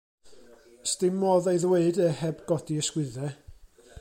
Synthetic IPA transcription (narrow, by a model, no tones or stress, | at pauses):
stɪmɔðejðweɨdɛhɛbɡɔd̥iəskwɪðɛ